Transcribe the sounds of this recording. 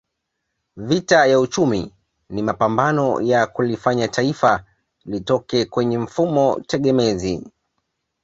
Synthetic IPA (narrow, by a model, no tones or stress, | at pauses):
vitajaut͡ʃumi | nimapambanɔ̰jakulifaɲataifa | litɔkɛkwɛɲɛɱ̩fumɔtɛɠɛmɛzi